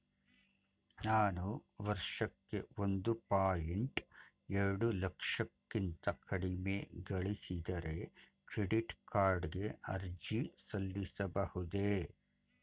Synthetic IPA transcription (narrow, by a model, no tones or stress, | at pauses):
naːnuʋɐɾʂɐkːe̞ond̪upaːjeɳʈ | ɛɾɐɽulɐkʂɐkːint̪ɐkʰɐɽime̞ɡɐɭisid̪ɐɾe̞ | kɾeɖiʈkʰaːɾɖɡe̞ɐɾd͡ʒisɐlːisɐbɐhud̪e